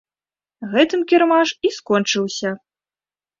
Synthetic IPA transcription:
ɣɛt̪ɨmkʲɛrmaʂiskɔnt͡ʂɨwsʲɐ

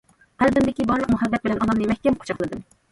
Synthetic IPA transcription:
æld̪ɪnd̪ɪkʲibɑɾlˠəq̚muɦɛd̪ːɛt̪̚bɪlɛnɑnɑmnɨmɛhʲkʲɛmqʰo̥t͡ʃʰɑχlˠɨd̪ɨm

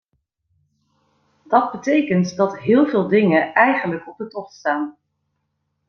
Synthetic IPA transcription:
d̥ɑd̚bətejkəntdɑtɦɪːlˠvɪːlˠdɪŋəʔɛjχənləkɔb̚dətɔχtstaːn

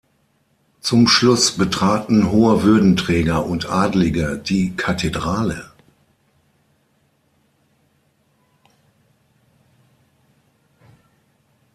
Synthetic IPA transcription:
t͡sʊmʃlʊsb̥ətʁ̥aːtn̩ɦoːəvʏɐdn̩tʁ̥ɛːɡɐʔʊntʔaːdlɪɡədiːkʰatʰedʁaːlə

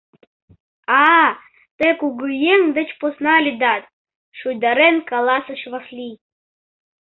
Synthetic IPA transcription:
ɑ | t̪ekuɡɯjeŋd̪ə̆t͡ɕposnɑlʲid̪ɑt̪̚ | ʃujd̪ɑɾenkɑlˠɑsəʃvɑxlʲi

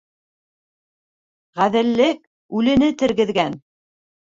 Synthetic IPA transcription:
ʁæðɘ̆lːɘk̚ | ʉlɘ̆nɘt̪ɘ̆ɾɡɘ̆ðɡæn

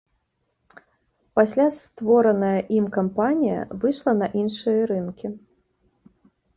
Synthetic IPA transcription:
pasʲlʲast̪vɔɾɐnɐjɐʔimkampanʲijɐ̰vɨʂlˠɐnɐʔinʂɨjɐɾɨnkʲi

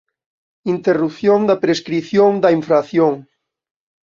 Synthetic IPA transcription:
int̪erupθjoŋd̪ɐpɾeskɾiθjoŋd̪ɐiɱfɾaθjoŋ

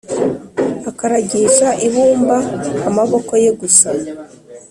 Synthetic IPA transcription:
akaɾaɟiʃaʔiβuːmbaːmaβo̞ko̞je̞ɡusa

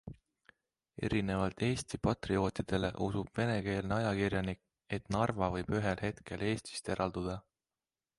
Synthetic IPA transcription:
e̞̰ɾine̞vɑlt̪e̞ːst̪ipɑt̪rio̞ːt̪id̪̥e̞le̞̰ʔusub̥ve̞ne̞ke̞ːlneɑjɑkirjɑnik | e̞t̪nɑrvɑvɤjb̥yɦe̞lɦe̞t̪kʰe̞le̞ːst̪i̥st̪e̞ɾʔɑld̪̥ud̪̥ɑ

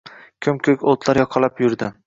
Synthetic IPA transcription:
kʲʰɵmkʲʰɵkʲolˠt̪ʰlˠaɾjɒqʰɑlapjʊɾd̪ɪ

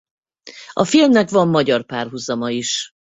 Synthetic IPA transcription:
ʔɒfilmnɛkvɒmːɒɟɒrpaːrɦuzɒmɒiʃ

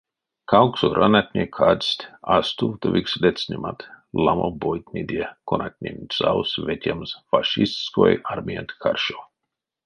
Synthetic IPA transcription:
kʰawksoɾʔanat̪ʲnʲekʰad̪sʲt̪ʲast̪uvt̪ovʲikslʲet̪sʲnʲimat̪ | lˠamobojt̪ʲnʲid̪ʲekonat̪ʲnʲenʲtʲsawsvʲet̪ʲɛmsfaʃist̪ʲsko̰jaɾmʲiant̪ʲkʰarʃo

